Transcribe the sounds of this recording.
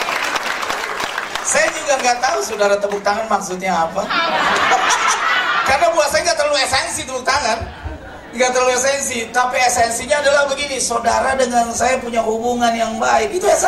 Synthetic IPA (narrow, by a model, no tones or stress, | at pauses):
sajad͡ʒuŋɡaŋɡat̪ausodaɾat̪əbʊk̚t̪aŋanmaksʊt̪̚ɲaːpa | karnabuasajaŋɡaʔt̪ərluesɛnsit̪əbuk̚t̪aŋan | ŋɡat̪ərluesɛnsit̪apiesɛnsiɲaːdalabəɡinisodaɾadəŋansajapuɲahubuŋanjaŋbaɪkit̪uas